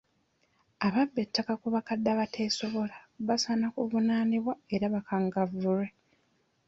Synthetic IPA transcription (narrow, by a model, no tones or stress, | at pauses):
aβabːe̞tːakakuβakadːaβatʰe̞ːso̞βo̞laβasanakuvunaniβwae̞ɾaβakaŋɡavuɾe̞